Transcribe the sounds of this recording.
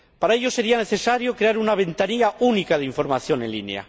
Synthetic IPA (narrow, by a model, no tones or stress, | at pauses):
paɾaeʎo̞se̞ɾiane̞θe̞saɾjokɾe̞aɾunaβ̞e̞nt̪aniaʔunikaðeiɱfo̞ɾmaθjo̞nẽ̞̰nlinea̰